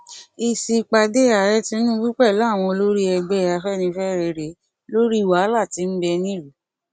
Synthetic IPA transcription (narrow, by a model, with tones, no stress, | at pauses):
i˧si˧k͡pa˧de˦a˨ɾɛ˦ti˦n̩˦nũ˦bu˦k͡pɛ˦˨la˨˦˨w̃ɔ̃˧lo˦ɾi˦ɛ˧ɡ͡bɛ˦˨a˧fɛ˦˨nĩ˧fɛ˦ɾe˧ɾe˨˦ | lo˦ɾi˦i˨wa˨˦la˦˨ti˨˧˦n̩˦bɛ˧nĩ˦˨ɾu˨˦